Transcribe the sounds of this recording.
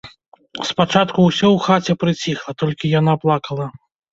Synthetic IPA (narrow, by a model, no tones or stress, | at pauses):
spat͡ʂat̪kuwsʲɔwxat͡sʲɛpɾɨt͡sʲixlˠɐt̪ɔlʲkʲijan̪aplˠakɐlˠɐ